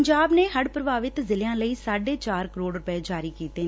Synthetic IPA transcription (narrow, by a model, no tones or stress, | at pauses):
ɲd͡ʒaːbneːɦəɽpɾəbaːʋɪt̪zɪlejãːləiːsaːɖeːt͡ʃaːɾkəɾoːɽɾʊpeːd͡ʒaːɾiːkiːt̪eː